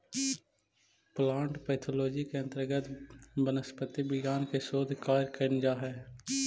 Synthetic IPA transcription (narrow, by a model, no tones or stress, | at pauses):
plãːɳʈpɛːt̪ʰoloːd͡ʒikeə̃nt̪əɾɡət̪bənəspət̪ibɪɡaːnkesoːd̪ʱkaːɾkənd͡ʒaɦɛː